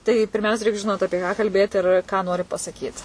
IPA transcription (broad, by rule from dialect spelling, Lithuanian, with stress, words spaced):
tɐɪ pʲɪrʲˈmʲɛʊsʲɛ ˈrʲɛɪk ʒʲɪˈnoːt ˈɑːpʲiɛ kɑː kɐlʲˈbʲeːt ɪr kɑː noːrʲɪ pɐsɐˈkʲiːt